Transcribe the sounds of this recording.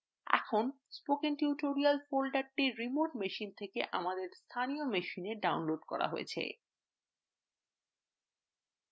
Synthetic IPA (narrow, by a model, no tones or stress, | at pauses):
ɛ̰kʰon | spokenʈiuʈoɾialfolɖaɾʈiɾːimoʈmeʃint̪ʰekeʔa̰mad̪eɾst̪ʰanijomeʃineɖawnloɖkɔ̰ɾa̰ɦoḛt͡ɕʰḛ